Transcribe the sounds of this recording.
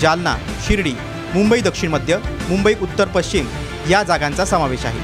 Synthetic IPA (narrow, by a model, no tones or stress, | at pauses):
d͡ʑalna̰ | ɕiɾɽiː | mumbəiːd̪əkʂiɳməd̪ʱjəmumbəiːʔut̪ːəɾpəɕt͡ɕim | jad͡zaɡãnt͡sasəmaʋeɕaɦḛ